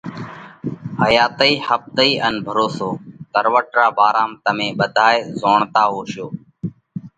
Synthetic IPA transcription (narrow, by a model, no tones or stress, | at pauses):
həjaːt̪əiːhəp̚t̪əiːʔənbʱəɾoːsoːt̪əɾʋəʈɾaːbaːɾaːmt̪əmẽːɓəd̪ʱaːeːzoːɳt̪aːɦoːʃjoː